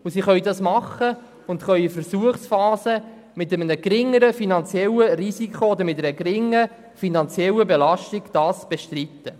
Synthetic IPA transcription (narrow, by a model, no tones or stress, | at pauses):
usiχœjdɑsmɑχːə | ʊntχœɥəfəɾsuəχsfɑːsə | mɪtəmənəɡɾɪŋːəɾəfinɑnt͡sjɛlːərisikχood̪əɾmɪt̪ːɛɾəɡrɪŋːə | finɑnt͡sjɛlːəbelɑʃtiɡ̥d̥ɑːsb̥eʃtritːə